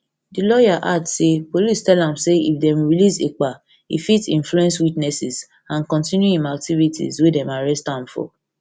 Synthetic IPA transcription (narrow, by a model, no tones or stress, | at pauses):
dilɔjaʔadsepolistɛlãmseḭfdɛ̃mɹilisek͡pa | ḭfitĩnfluɛ̃nswitnɛsiz | ãnkɔ̃ntĩnjuĩmak̚tʰivitʰḭzwedɛ̃maɹɛstãmfɔ̰